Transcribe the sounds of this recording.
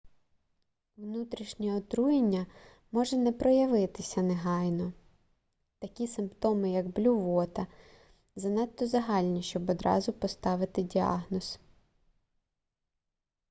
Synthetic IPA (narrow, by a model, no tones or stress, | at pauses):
wnut̪ɾʲiʃnʲɛɔt̪ɾujenʲːɐ | mɔʒɛnɛpɾɔjɐʋɪt̪ɪsʲɐneɦɑjnɔ | t̪ɐkʲisɪmpt̪ɔmɪjɐɡblʲʊʋɔt̪ɐ | zɐnɛt̪ːɔzɐɦɑlʲnʲiʃt͡ʃɔbɔd̪ɾɑ̰zʊpɔst̪ɑʋɪt̪ɪdʲiɑ̰ɦnɔs